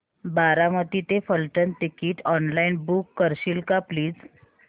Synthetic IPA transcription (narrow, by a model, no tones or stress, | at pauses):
baɾamət̪it̪efəlʈənt̪ikiːʈɔnlainbukːəɾɕilkapliːd͡z